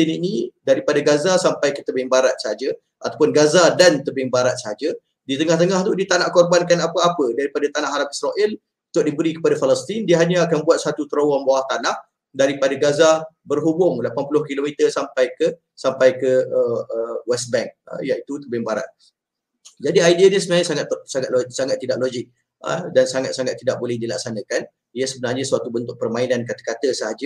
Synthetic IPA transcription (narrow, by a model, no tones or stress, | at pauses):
ininĩdaɾipadaɡazasampajkət̪əbɪŋbaɾat̪̚səɦad͡ʒə | ʔat̪apʊnɡazadant̪əbɪŋbaɾat̪̚səɦad͡ʒə | dit̪əŋaht̪əŋaht̪udit̪anaʔkɔrbankanapəapədaɾipadat̪anaʔhɦaɾamisɾaʔɛl | ut̪ʊk̚dibəɾikə̥padafaləst̪indiəɦaɲaakanbuat̪̚sat̪ut̪əɾowanbawaht̪anah | daɾipadaɡazabərɦubʊŋlapanpulʊhkilomit̪ərsampajkə | sampajkəəəwɛs̚bɛŋ̚ə̰jait̪ut̪əbɪmbaɾa̰t̪̚ | d͡ʒadiajdianəsəbənaɲasaŋat̪saŋat̪saŋat̪ːidaʔ̚lod͡ʒɪk̚ | ə̰dansaŋat̪saŋat̪ːidaʔ̚bolɛhdila̰ksanə̃kan | ijasəbənarɲasuat̪ubənt̪ʊk̚pərmãinãnkat̪ə̥kat̪əsəɦad͡ʒə